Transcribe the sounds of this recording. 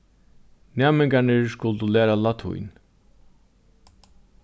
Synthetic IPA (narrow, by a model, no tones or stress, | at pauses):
næːmɪŋkaɳɪɹskʊlt̪ulæːɾalat̪ʰʊ̰jn